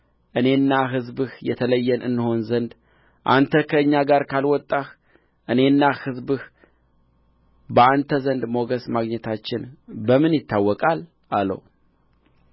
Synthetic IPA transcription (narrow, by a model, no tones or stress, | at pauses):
ʔɨne̞nːaɦɨzbɨhjɛt̪ʰələjːɛnɨnːɨho̞nzənd̪ | ʔa̰nt̪ʰəkʰəɨɲːaɡaɾkʰalwɔt̪ʼːah | ʔɨne̞nːahɨzbɨh | bəant̪ʰəzənd̪mo̞ɡəsmaɡɲɛt̪ʰat͡ʃːɪnbəmɨnjɪt̪ʰːawːɔkʼal | ʔalːə̰w